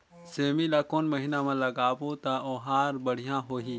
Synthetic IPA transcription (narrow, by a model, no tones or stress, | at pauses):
seːmilakoːnmɐɦɪnamãlɐɡaːbot̪aʔoːɦaːɾbəɽ̤ijãɦoːɦĩː